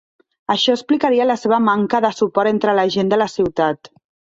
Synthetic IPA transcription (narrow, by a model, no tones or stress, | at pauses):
əʃɔəsplikaɾiələseβəmaŋkəðəsupɔɾent̪ɾələʒend̪ələsiwt̪at̪